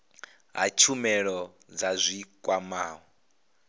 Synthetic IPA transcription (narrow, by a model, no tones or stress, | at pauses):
ɦa̰t͡ʃʰumɛɺɔ | d͡zazʷikʼwamaːɦɔ